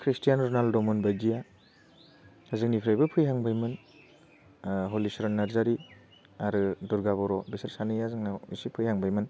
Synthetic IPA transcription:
kʰɾistijanɾɔnaldɔmɔnbajdija | hazɯk̚nipʰɾajbɯpʰɯjɦaŋbajmɯn | ɦolisɾɔnːaɾzaɾi | aɾɯduɾɡaβɔɾɔbisaɾsanɯjazɯŋnaḭsipʰɯjhaŋbajmɯn

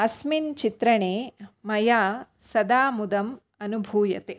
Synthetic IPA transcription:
ɐsmint͡ʃit̪ɾɐɳeːmɐjaː | sɐd̪aːmud̪ɐm | ɐnubʱuːjɐ̰t̪e

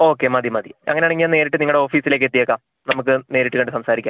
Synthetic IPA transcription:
o̞ːkːemɐd̪imɐd̪iɐ̰ŋːɐneɐɳeŋːiaːne̞ːɾiʈːɨniŋɐɭɽeo̞ːfiːsile̞ːk̬ːe̞t̪ːijɐːkːaːm | nɐmuk̬ːɨne̞ːɾiʈːɨkɐɳɖɨsɐmsaːɾikʲːaː

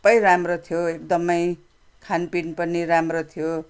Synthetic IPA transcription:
pʌjɾamrot̪ʰjoek̚d̪ʌmʌj | kʰanpinpʌniɾamrot̪ʰijo

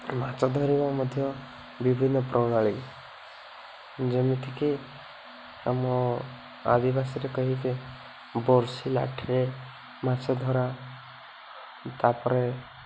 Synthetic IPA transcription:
mat͡ʃɔd̪ʱɔɾimamɔd̪ʱjɔ | bibʱinːɔpɾʔɔnaɭik | d͡ʒemit̪ʰiki | a̰mɔ | a̰d̪ibasɔɾekɔɦike | bɔɾsila̰ʈʰiɾe | mat͡ʃɔd̪ʱɔɾa | t̪apɔɾe

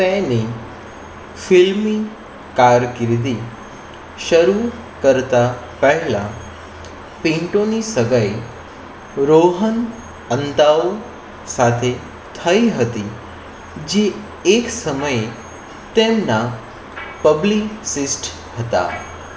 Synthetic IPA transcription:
pɛ̃ni | filmi | kaɾkiɾd̪i | ʃəɾu | kəɾt̪a | pəɦɛlã̰ | pĩɳʈonisəɡəj | ɾoɦən | ənt̪ao | sat̪ʰe | t̪ʰəiɦət̪i | d͡ʒeː | ksəməje | t̪emna | pəbliksisʈ | hət̪a̰

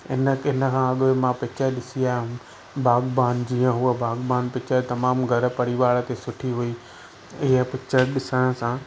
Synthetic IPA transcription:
ɪnəɪnəkʰãːɐɠʋemãpɪt͡ɕəɾɗɪsiaːɦɪʊ̃ | baːɡbaːnd͡ʑiːə̃ɦuəbaːɡbaːnpɪt͡ɕət̪ɐmaːmɡʱɐɾə̆pɐɽiʋaːɽə̆t̪esʊʈʰiɦuiː | ɪɦəpɪt͡ɕəɗɪsəɽ̃ə̆sãː

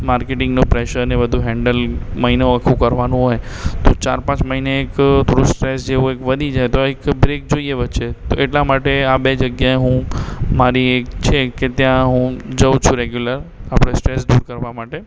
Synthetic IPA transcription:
maɾkeʈɪ̃ŋɡnopɾeʃəɾnebəd̪ʱuɦɛ̃ɳɖəlməɦinoəkʰũkəɾʋanũɦojt̪ot͡ʃaɾpãt͡ʃməɦineːkt̪ʰoɾusʈɾesd͡ʒeũekʋəd̪ʱid͡ʒajt̪oekbɾek̚d͡ʒoieʋətːʃet̪oeʈlamaʈeabed͡ʒəɡjaeɦũmaɾiekt͡ʃʰeket̪jãɦũd͡ʒəʋt͡ʃʰũɾeɡjuləɾapɽ̃esʈɾesd̪uɾkəɾʋamaʈe

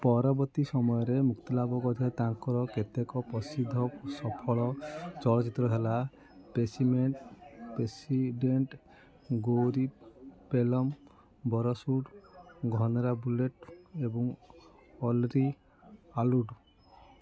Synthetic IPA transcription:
pɔɾabɔt̪isɔmɔjɔɾemukt̪ɔlabɔkɔɾʱiat̪aŋkɔɾɔket̪ekɔpɔsid̪ʱːɔsɔpʰɔɭɔt͡ʃɔɭɔt͡ʃit̪ɾɔɦela | pesimeɳʈpesiɖeɳʈ | ɡoɾipelɔm | bɔɾɔsuɖɡʱɔnɔɾabuleʈebɔŋ | ɔlɾi | aluɖ

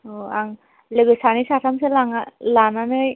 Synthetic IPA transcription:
oaŋ | lɯɡɯsanisatʰamsɯlaŋalananɯj

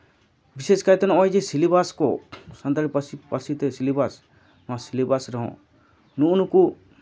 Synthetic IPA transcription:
biseskait̪ɔnɔ̃ɔjd͡ʒɛsilibaskɔsant̪aɾipsipasit̪ɛsilibas | mãsilibasɾɔɦɔ̰̃ | nuunuku

